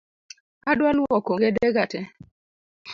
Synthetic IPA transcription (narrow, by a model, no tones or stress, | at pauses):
adwalwɔkoŋɡɛdɛɡatɛ